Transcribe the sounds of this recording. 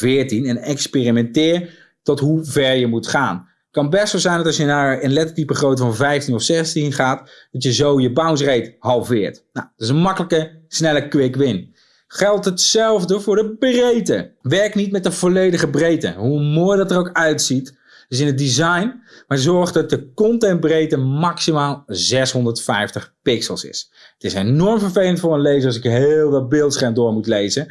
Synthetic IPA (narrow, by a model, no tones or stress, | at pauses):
vɪːɹtinɛnɛkspɪrimɛntɪːɹ | tɔtɦuvɛɹjəmutχa̰ːn | kɑnbɛstʋɛlˠzɛjndɔtɑlˠsjənaːɹənlɛtətipəχrowtəvɑnvɛjftinɔfsɛstinχaːtd̥ɑtjəzowjəbawns̬rejtɦɑlˠfɪːɹtnadɪs̬ənmɑkələkəsnɛləkʋɪkʋɪn | χɛlˠtɦətsɛlˠvdəvʊːɹdəbrejtə̰ʋɛɹknitmɛt̚dəv̥olejdəχəbrejtə̰ɦumoːjdɑtərowkœɥtsit | dɪs̬ɪnəd̚dizɑjnmaɹzɔɹχdɑt̚dəkɔntɛn̚brejtəmɑksimaːlˠzɛsɦɔndəɹtfɛjftəχpɪksəlˠsɪ̰s | ətɪsenɔɹmvəɹvejləntfʊːɹənlejzəɑs̬ɪkɦɪːlˠʋɪlˠbɪːlˠtsχɛndʊːɹmutlejzə